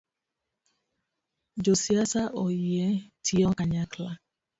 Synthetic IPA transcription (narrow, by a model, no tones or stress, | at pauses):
d͡ʒosiasaʔojietʰiɔkaɲakla